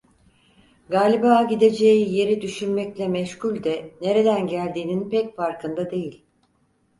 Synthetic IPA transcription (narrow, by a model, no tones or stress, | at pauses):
ɡaːlʲibaːɟid̪e̞d͡ʒe̞jije̞ɾid̪yʃynmɛclʲɛmɛʃhulʲd̪ɛne̞ɾe̞d̪ænɟælʲd̪iːninpɛcfaɾkɯnd̪ad̪e̞jilʲ